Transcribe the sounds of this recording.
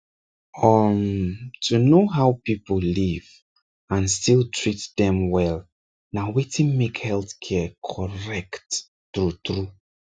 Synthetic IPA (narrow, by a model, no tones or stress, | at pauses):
ɔmtʰunoɦawpipəlliv | ãnstilˠtʰɹitdɛ̃mwɛl | nawetʰĩnmekhɛlˠθkʰɛkʰɔɹɛktː | ɹutɹu